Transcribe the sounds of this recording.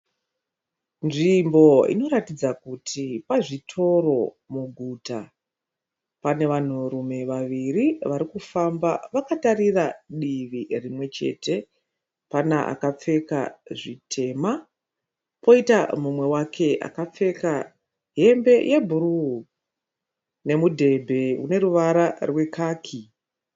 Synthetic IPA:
nʐimbo̞ḭno̞ɾatid͡zakutʰipaʐitʰo̞ro̞ | muɡʱuta | pane̞ʋan̤urume̞ʋaʋiriʋaɾikufamba̰ʋakatariraɗiʋirimwe̞t͡ʃe̞̰te̞ | panaʔa̰kap͡fe̞ka̰ʐitʰe̞ma | po̞itamumwe̞wakʰe̞ʔa̰kap͡fe̞ka | ɦe̞mbe̞jʔe̞bʱuɾuu | ne̞mudʱe̞bʱe̞ṵne̞ɾuʋaɾarwe̞kʰaːkʰi

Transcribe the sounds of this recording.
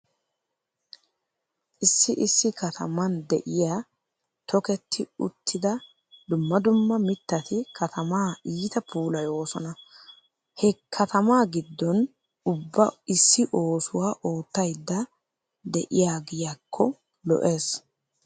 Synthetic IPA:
ʔɪsːɪʔɪsːɪkɐt̪ʰɐmɐnd̪ɛ̰ʔɪjaː | t̪ʰɔkɛt̪ːɪʊ̰t̪ʰːɪd̪ɐ | d̪ʊmːɐd̪ʊmːɐmɪt̪ːɐt̪ɪkʰɐt̪ʰɐmaːiːt̪ɐpʰuːlɐjo̞ːsɔ̰nɐ | hɛkʰːɐt̪ɐmaːɡɪd̪ːɔn | ʊbːɐɪsːɪʔo̞ːsʊwaːʔo̞ːt̪ːɐjd̪ːɐ | d̪ɛ̰ʔɪjaːɡɪjakʰːɔ | lɔ̰ʔe̞ːs

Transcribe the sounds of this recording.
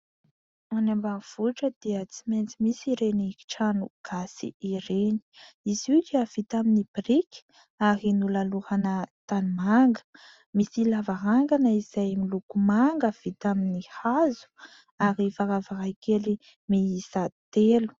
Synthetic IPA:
manambaŋiv̥uʈ͡ʂəd̪̥iət͡siment͡simisiɾeniki̥ʈ͡ʂanuɡ̥asḭiɾeni̥ | izikiav̥it̪aminibrikʲ | aɾinulaluhanət̪animaŋɡə̥ | misilavaɦaŋɡanəizajmilukumaŋɡəv̥it̪aminihazu̥ | aɾifaɾavaɾajkeli | meisat̪elu̥

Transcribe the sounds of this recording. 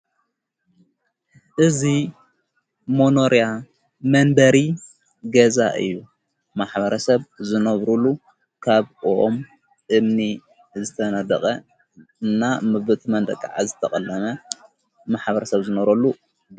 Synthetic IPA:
ʔɨzi | monoɾija | mɐnb̪ɐɾi | ɡɐzaʔɨ̰jːu | maħbɐɾɐsɐβzɨnɐβɾulu | kʰaβoʔom | ʔɨmni | zɨt̪ʰɐnɐd̪ɐkʼɐ | ɨnːamɨβɨt̪ʰmɐnd̪ɐ̰kʼːaʕa̰zɨt̪ʰɐkʼɐlːɐmɐ | maħbɐɾɐsɐβzɨnɐβɾɐlːu

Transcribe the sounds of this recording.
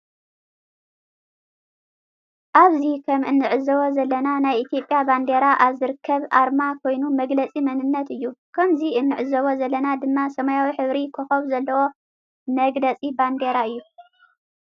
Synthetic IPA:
ʔaβzikʰɐmɨnːɨʕɨzɐβo̞zɐlːɐnanajʔit̪ʰjo̞pʼjaband̪eɾaʔaβzɨɾɨkʰːɐβʔaɾmakʰo̞jnumɐɡlɐt͡sʼimɐnɨnːɐt̪ɨjːukʰɐmziʔɨnːɨʕɨzɐβo̞zɐlːɐnad̪ɨmːasɐmajawiħɨβɾikʰoxɐβzɐlːɐwo̞ | mɐɡlɐt͡sʼiband̪eɾaɨjːu

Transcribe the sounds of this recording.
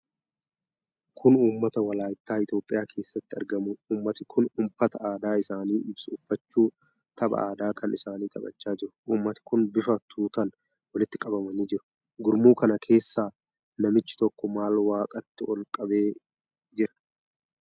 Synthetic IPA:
kʰʊnuːmːɐt̪ɐwɐlaːjɪt̪ːaːɪt̪jo̞ːpʼɪjaːkʰe̞ːsːɐt̪ːɪɐ̰ɾɡɐmʊuːmːɐt̪ɪkʰʊnʊmfɐt̪ɐaːd̪aːɪsaːniːʔɪbsʊʊfːɐt͡ʃːuː | t̪ʰɐbɐ̰aːd̪aːkʰɐnɪsaːniːt̪ʼɐbɐ̰t͡ʃːaːd͡ʒɪɾʊ̥ʔuːmːɐt̪ɪ̥kʊnbɪfɐt̪ʰuːt̪ɐn | wɐlɪt̪ːɪkʼɐbɐmɐniːd͡ʒɪɾʊ̥ | ɡʊɾmuːkɐnɐkʰe̞ːsːaː | nɐmɪt͡ʃːɪ̥t̪ɔkːɔmaːlwaːkʼɐt̪ːɪɔlkʼɐbe̞ː | d͡ʒɪɾɐ̥

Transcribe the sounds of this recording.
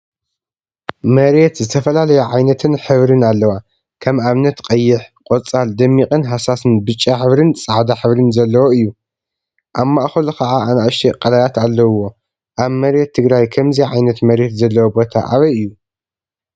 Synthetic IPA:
mɐɾe̞t̪zɨt̪ʰɐfɐlalɐjɛʕajnɐt̪ʰɨnħɨβɾɨnalːɐwa | kʰɐmaβnɐt̪qʼɐjːɪħqʼot͡sʼald̪ɐmːiqʼɨnɦasasɨnbɨt͡ʃʼːaħɨβɾɨnt͡sʼaʕd̪aħɨβɾɨnzɐlːɐwoɨjːu | ʔaβmːaʔxɐlukʰɐʕaʔanaʔʃʰiqʼɐlajat̪alːɐwːo̞ | ʔaβmɐɾe̞t̪ʰːɨɡɾajkʰɐmziʕajnɐt̪mɐɾe̞t̪zɐlːɐwobo̞t̪ʰa̰ʔa̰βɐjɨjːu

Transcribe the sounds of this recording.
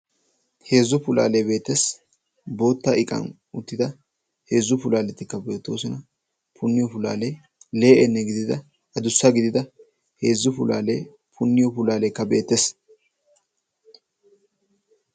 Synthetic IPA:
he̞ːzːʊpʊla̰ːlebeːt̪ːes | bo̞ːt̪ːɐɪkʼɐ̰n | ʊt̪ːɪd̪ɐ | he̞ːzːʊpʊlaːlɛt̪ːɪkːɐbe̞ːt̪ːo̞ːsɔnɐ | pʰʊnːɪjɔpʊla̰ːle | le̞ːʔɛnːɛɡɪd̪ɪd̪ɐ | ɐd̪ʊsːɐɡɪd̪ɪd̪ɐ | he̞ːzːʊpʊla̰ːleː | pʰʊnːɪjɔpʊlaːleːkːɐbe̞ːt̪ːes

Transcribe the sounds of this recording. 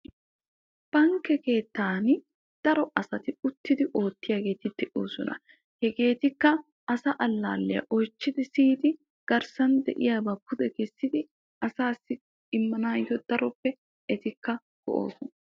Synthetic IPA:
b̥ɐŋkːɛke̞ːt̪ːaːn | d̪̥ɐɾɔʔɐsɐt̪ɪʊt̪ːɪd̪ɪʔo̞ːt̪ːɪjaːɡe̞ːt̪ɪd̪̥ɛʔoːsɔnʔɐ̰ | hɛɡe̞ːt̪ɪkːɐ | ɐsɐʔɐlːa̰ːlːɪjɐ̰ʔɔjt͡ʃːɪd̪ɪsiːd̪ɪ | ɡ̥ɐɾsɐnd̪ɛ̰ʔɪ̰jaːbɐpʊd̪ɛkɛsːɪd̪ɪ | ʔɐsaːsːɪ | ɪmːɐnaːjɪɔd̪̥ɐɾɔpːɛ | ɛt̪ɪkːɐ | ɡ̥ɔ̰ʔo̰ːsɔnɐ

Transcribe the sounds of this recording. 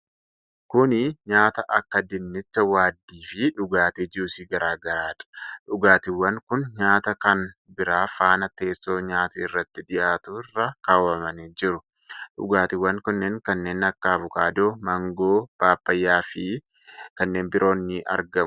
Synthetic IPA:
kʊnɪɲaːt̪ɐʔɐkːɐd̪ɪnːɪt͡ʃːɐwaːd̪ːiːfɪᶑʊɡaːt̪eːd͡ʒusiːɡɐɾaːɡɐɾaːᶑ̪ɐ̥ᶑʊɡaːt̪ɪwːɐŋkʊnɲaːt̪ɐkɐnbɪɾaːfaːnɐt̪e̞ːsːo̞ːɲaːt̪iɪrːɐt̪ːɪᶑ̪ɪjaːt̪ʊɪrːɐkaːwɐmɐniːd͡ʒɪɾʊ | ᶑʊ̰ɡaːt̪ɪwːɐŋkʊnːɛŋkɐnːeːnɐkːɐɐbʊkaːd̪oːmɐŋɡo̞ːb̥aːbːɐjːaːfɪ | kɐnːe̞ːnbɪɾʔo̞ːnːɪʔɐ̰ɾɡɐmʊ

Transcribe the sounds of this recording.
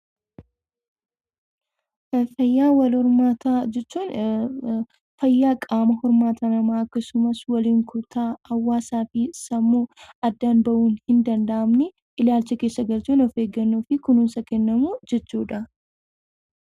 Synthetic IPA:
fɐjːaːwɐlhɔɾmaːt̪ad͡ʒɛt͡ʃːuːn | fɐjːaːkʼaːmɐhɔɾmaːt̪ʰanɐmaːɐkːɐsʊmɐswɐliːŋkʊt̪ʰaːhɐwːaːsaːfɪsɐmːuɐd̪ːaːnbɐʔuːnhɪnd̪ɐnd̪ɐʔɐmnɛ | ʔɪlaːlt͡ʃːɛkeːsːɐɡɐlt͡ʃuːnɔfe̞ːɡːɐnːoːfɪkʊnʊnsɐkɛnːɐmuːd͡ʒɛt͡ʃːuːᶑɐ

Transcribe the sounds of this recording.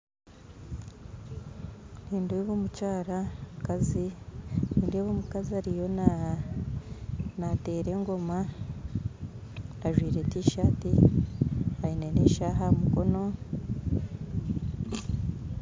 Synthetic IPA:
niːndweβoːmucaːɾaukaziniːndweβoːmukaziaɾijo̞n | nate̞ːɾe̞ːŋɡo̞ma | aʒwiːɾetiːʃaːti | haineneʃaːɦamuko̞no̞

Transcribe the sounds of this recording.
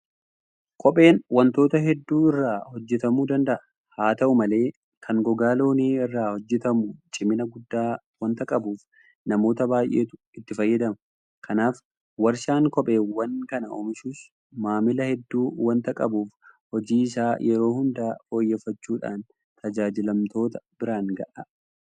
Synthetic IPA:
kʰʼɔpʼe̞ːnwɐnt̪o̞ːt̪ɐɦɛd̪ːuːɪrːaːhɔd͡ʒːɛt̪ɐmuːd̪ɐnd̪ɐʔɐ̥ | haːt̪ɐʔʊmɐle̞ː | kʰɐŋɡɔɡaːlo̞ːniːɪrːaːhɔd͡ʒːɛt̪ɐmut͡ʃʼɪmɪnɐɡʊd̪ːaː | wɐnt̪ɐkʼɐbuːf | nɐmo̞ːt̪ɐbaːjʔe̞ːt̪ʊ̥ | ɪt̪ːɪfɐjːɐd̪ɐmɐ | kʰɐnaːf | wɐɾʃaːŋkɔpʼe̞ːwɐŋkɐnɐo̰ːmɪʃuːs | maːmɪlɐhɛd̪ːuːwɐnt̪ɐkʼɐbuːfhɔd͡ʒiːɪsaːjɛɾo̞ːhʊnd̪aːfo̞ːjːɛːfːɐt͡ʃːuːᶑa̰ːn | t̪ʰɐd͡ʒaːd͡ʒɪlɐmt̪o̞ːt̪ɐ̥b̥ɪɾaːŋɡɐʔɐ

